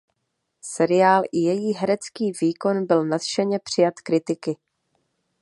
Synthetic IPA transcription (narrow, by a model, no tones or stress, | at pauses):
sɛɾɪjaːlʔɪjɛjiːɦɛɾɛt͡skiːviːko̞nbɪlnat̪ʃɛɲɛpr̝̥ɪjat̪kɾɪt̪ɪkɪ